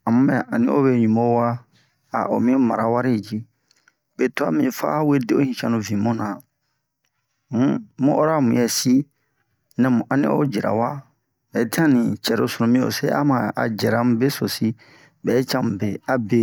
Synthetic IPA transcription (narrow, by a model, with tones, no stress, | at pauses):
a˨mũ˦mɛ̃˦a˨ʔa˨nĩ˦ʔo̰˦be˦˨ɲũ˨mo˦wa˦ | a̰˨ʔo̰˨mĩ˦mã˨ɾa˨wa˦ɾi˦˨d͡ʒi˦ | be˨to˦a̰˦mĩ˨fa̰˦we˦de˦o˦hĩ˨t͡ʃã˦nũ˨vĩ˨mũ˦nã˨ | mũ˦mũ˦ʔɔ˦ɾa˦˨mũ˨jɛ˨si˦ | nɛ̃˨mũ˨ʔa˨nḭ̃˦o̰˦d͡ʒɛ˨ɾa̰˨wa˦ | bɛː˨˦tʰi˦ã˦nĩ˨t͡ʃɛ˨ɾo˨˦so˨nõ˨mĩ˦o̰˨sḛ˦a̰˦mã˨a̰˨d͡ʒɛ˨ɾã˨˦m̩˦be˦so˨si˦ | bɛ˨˦t͡ʃã˦m˨be˨a˦be˦